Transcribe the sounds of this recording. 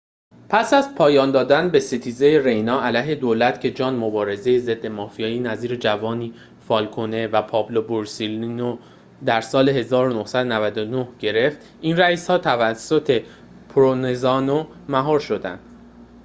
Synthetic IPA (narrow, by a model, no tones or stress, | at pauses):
pʰæsæzpʰɒːjɒːnd̪ɒːd̪ænbe̞sit̪ʰiːze̞jeɾejnɒːʔælæjɦe̞d̪oːlæt̪cʰe̞d͡ʒɒːnmo̞bɒːɾe̞ze̞jeze̞d̪ːe̞mɒːfijɒːjiːnæziːɾed͡ʒævɒːniː | fɒːlkʰone̞væpʰɒːbloboɾsilno | d̪æɾsɒːle̞ɦe̞zɒːɾonohsæd̪onævæd̪o̞no̞hɟ̥e̞ɾe̞ft̪ | inræiːshɒːt̪ʰævæsːo̞t̪ʰe̞ | pʰoɾonezɒːnomæɦɒːɾʃo̞d̪æ̰nd̪̥